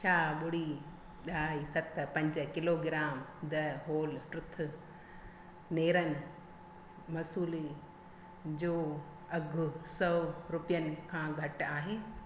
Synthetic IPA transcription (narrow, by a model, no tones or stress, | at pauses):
t͡ʃʰaːɓʊɽiː | ɗaːisɐt̪pɐ̃ɲd͡ʒkɪloːɡɪɾaːmd̪ɐɦoːlʈɾʊt̪ʰʊ | neːɾənɪ | mɐsuːle | d͡ʑoː | ɐɡʱʊsɐʋɾʊpjənɪ̆kʰãːɡʱɐʈaːɦeː